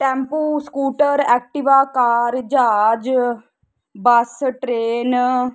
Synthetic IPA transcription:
ʈɛ̃ːmpuːskuːʈəɾɛːk̚ʈiʋaːkaːɾd͡ʒaːd͡ʒ | bəsʈɾeːn

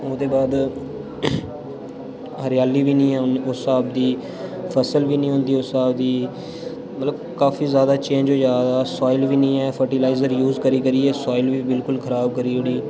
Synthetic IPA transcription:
oːd̪eːbaːd̪ | ɦəɾɪjaːliːʋiːnĩːɛːosaːb̚d̪iː | pʰəsəlʋiːnĩːɦoʊ̃nd̪iːʊsaːbd̪iː | mət̪ləb | kaːfʰiːzjaːd̪aːt͡ʃẽːnd͡ʒoːd͡ʒaːd̪aːsɔːɪlʋiːnĩːɛːpʰəɾʈilaːɪzəɾjuːzkəɾiːkəɾiːeːsɔːɪlʋiːbɪlkʊlkʰəɾaːb̚kəɾiːɦoɽiː

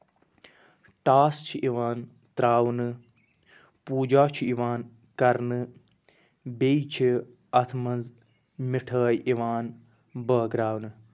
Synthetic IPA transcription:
ʈaːst͡ʃʰiʔiʋaːn | t̪ɾaːwnɨ | puːd͡ʒaːt͡ʃʰiiʋaːn | kɐɾnɨ | beit͡ʃʰi | ɐt̪ʰmɐnz | miʈʰəːjiʋaːn | bəːɡɾaːwnɨ

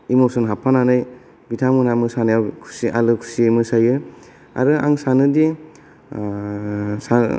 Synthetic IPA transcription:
imosɔnɦapʰananɯj | bitʰamɯnamɯsanjawkʰu̥sialɯkʰu̥siemɯsajɯ | a̰ɾɯa̰ŋsanɯde | sa

